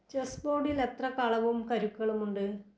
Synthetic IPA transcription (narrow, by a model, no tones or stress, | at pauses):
t͡ɕesboːɽile̞t̪rɐkɐɭɐʋumkɐɾukːɐɭumuɳɖɨ